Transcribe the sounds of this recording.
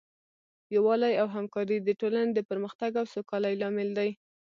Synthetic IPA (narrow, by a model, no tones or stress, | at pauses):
jawɑlajawɦamkɑɾid̪əʈolaned̪əpəɾməxt̪aɡawsokɑlajlɑmɪld̪aj